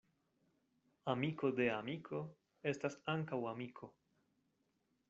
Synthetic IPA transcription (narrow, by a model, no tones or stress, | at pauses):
amiko̞de̞amikʰo̞ | e̞stasaŋkawamikʰo̞